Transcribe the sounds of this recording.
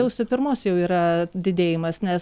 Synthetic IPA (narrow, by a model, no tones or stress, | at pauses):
ɛʊsʲʊpʲɪɾmoːsjɛʊiːɾɐd̪ʲɪd̪ʲeːjɪmɐsnʲɛs